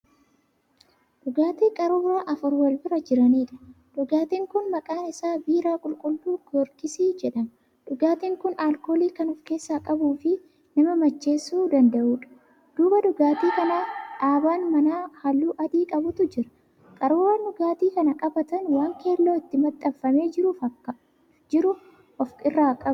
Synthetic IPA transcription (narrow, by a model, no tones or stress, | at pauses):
ᶑʊɡaːt̪iːkʼɐɾʊbɾaːʔɐfʊɾwɐlbɪɾɐd͡ʒɪɾɐniːᶑɐ̥ | ᶑʊɡaːt̪iːŋkʊnmɐkʼaːnɪsaːbiːɾaːkʼʊlkʼʊlːuːɡɔɾkɪsiːd͡ʒɛᶑɐn | ᶑʊɡaːt̪iːŋkʊnaːlkoːliːkɐnʊfke̞ːsːaːkʼɐbuːfɪ | nɐmɐmɐt͡ʃːe̞ːsːuːd̪ɐnd̪ɐʔuːᶑɐ̥ | d̪̥uːbɐdʊɡaːt̪iːkɐnaːᶑaːbaːnmɐnaːhɐlːuːʔɐd̪iːkʼɐbʊt̪ʊd͡ʒɪɾɐ̥ | kʼɐɾuːwaːndʊɡaːt̪iːkɐnɐkʼɐbɐt̪ɐnwaːŋke̞ːlːo̞ːɪt̪ːɪmɐt̪ʼːɐbfɐme̞ːd͡ʒɪɾuːfɐkːɐ | d͡ʒɪɾʊ | ʔɔfkɪrːaːkʼɐbʊ